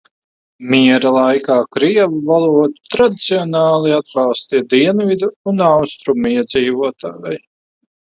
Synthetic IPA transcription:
miɛɾalˠajkaːkɾiɛvuvalˠuɔt̪u̥t̪ɾad̪it̪siɔnɑːlˠiad̪̚bɑlˠst̪iɛd̪iɛnvid̪uunawst̪ɾumiɛd̪ziːvuɔt̪ʰaːjaj

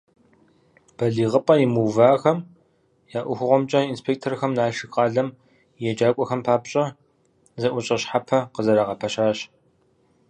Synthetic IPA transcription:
b̥ɐɮiːʁəpʼɐjimuːvaːxɐm | jaːʔʷʊxʷʊʁʷɔmt͡ʃʼɐinspʰeːk̚tʰorxɐmnaːʃɨxʼɑːɮɐm | jɛd͡ʒaːkʷʼɔxɐmpʰaːpɕʼɐ | zɐʔʷʊɕʼɐɕħapʰɐqəzɐɾaːʁɐpʰɐɕaːɕ

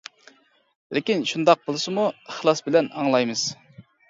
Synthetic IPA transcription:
lɪkʲinʃund̪ɑq̚bolˠɨsɨmuəχlˠɑsbɪlɛnɑŋlˠɑjmɨz̥

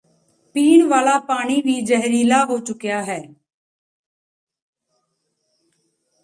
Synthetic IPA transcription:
piːɳʋaːlaːpaːɽ̃iːʋiːd͡ʒəɦɾiːlaːɦoːt͡ʃʊkjaːɦɛː

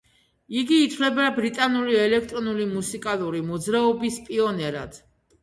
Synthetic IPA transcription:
iɡiːt̪ʰvlɛbabɾit̪ʼanuliɛlɛkʰt̪ʼɾɔnulimusikʼalˠuɾimɔd̪zɾaɔbispʼiɔnɛɾa̰d̪̥

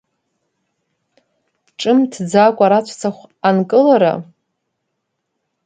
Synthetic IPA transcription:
ʈ͡ʂʼɨmtʰd͡zakʷʼaɾat͡ɕʷʰt͡sʰaχʷankʼɨlaɾa̰

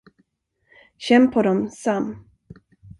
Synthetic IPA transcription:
ɕɛmpʰɔɾɔmsam

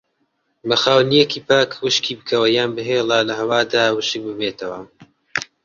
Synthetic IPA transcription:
mɐxaːwnijekiːpaːkwɨʃkiːbɨkʰɐwɐjaːnbɨɦelˠalɐɦɐwaːd̪aːwɨʃɨk̚bɨmeːt̪ʰɐwɐ

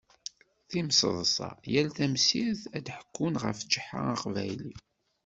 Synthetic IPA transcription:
θimsðˤəsˤɑ̰jælθæmsiθæd̪ħə̥kʰːunʁə̰fd͡ʒəħa̰aqvæjli

